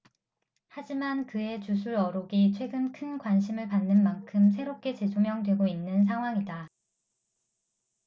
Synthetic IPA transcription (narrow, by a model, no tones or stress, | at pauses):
had͡ʑimankɯe̞t͡ɕusʰuɾʌɾoɡit͡ɕʰwe̞ɡɯnkʰɯnkwanɕʰimɯɭpanːɯnmaŋkʰɯms̬ʰe̞ɾop̚k͈e̞t͡ɕe̞d͡ʑomjʌŋdwe̞ɡoinːɯns̬ʰaŋɦwaŋida